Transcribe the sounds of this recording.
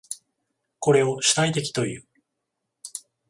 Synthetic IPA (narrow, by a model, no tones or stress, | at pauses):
ko̞ɾe̞o̞ɕi̥t̪ait̪e̞k̬ʲi̥t̪o̞jɯ̟̰ː